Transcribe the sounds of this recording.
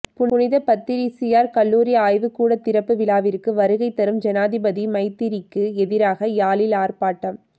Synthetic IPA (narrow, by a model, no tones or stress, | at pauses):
pʊʊnɪðɐpɐt̪ːɪɾisɪjaːɾkɐlːuːɾɪjaːjʋɯkːuːɽɐt̪ːɪɾɐpːɯʋɪlaːʋɪɾkːɯʋɐɾɯɣɐɪt̪ːɐɾɯmd͡ʒɐnaːðɪbɐðimɐɪt̪ːɪɾɪkːɯɛðɪɾaːɣɐjaːlɪlaːɾpaːʈːɐm